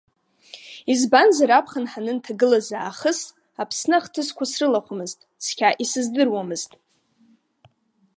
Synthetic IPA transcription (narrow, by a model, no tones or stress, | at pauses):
izbanzaɾapʰχanħanɨntʰaɡɨlazaːχəs | apʰsnɨχtʰɨzkʷasrɨlaχʷamɨztʼskʲʰaʔisɨzdɨrwamɨztʼ